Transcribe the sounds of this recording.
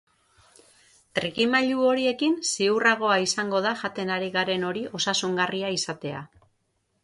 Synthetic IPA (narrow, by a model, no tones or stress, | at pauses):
t̪rikimaʎuo̞ɾie̞kinsiuraɣ̞o̞aisaŋɡo̞ð̞aʝat̪e̞naɾiɣaɾe̞no̞ɾiʔo̞sasuŋɡariaisat̪e̞a̰